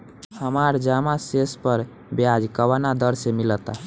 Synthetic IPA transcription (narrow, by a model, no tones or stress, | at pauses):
həmaɾd͡ʒamasespəɾ | bjad͡ʒkəwanad̪əɾsemilət̪a̰